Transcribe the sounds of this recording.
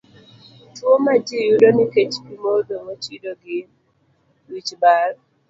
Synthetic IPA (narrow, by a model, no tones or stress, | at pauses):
twomad͡ʒijudoniket͡ʃpimodowot͡ʃidoɡɪ | wit͡ʃbaɾ